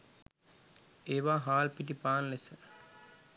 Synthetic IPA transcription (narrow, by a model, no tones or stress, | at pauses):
eːʋaːɦaːlpiʈipaːnlesə